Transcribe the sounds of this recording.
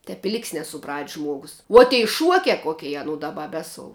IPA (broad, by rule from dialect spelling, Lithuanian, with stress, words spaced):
tʲɛp ɪ ˈlʲɪkʲsʲ nʲɛsʊˈprɐtʲsʲ ˈʒmuɔɡʊs uɔ tʲɛɪ ˈʃuɔkʲɛ ˈkoːkʲɛɪ ɐˈnʊ ˈdɑːˌbɐ ˈbʲæːsoːʊ